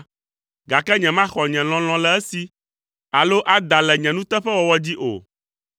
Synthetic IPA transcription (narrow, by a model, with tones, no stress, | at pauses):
ɡa˨kɛ˦ɲɛ̃˨mã˦xɔ˨ɲɛ̃˨l̃ɔ̃˨l̃ɔ̃˦lɛ˦ɛ˦si˨ | a˨lo˦ʔa˦d̪a˨lɛ˨ɲɛ̃˨nũ˦t̪ɛ˦ɸɛ˦wɔ˨wɔ˦d͡ʑi˦ʔo̰˨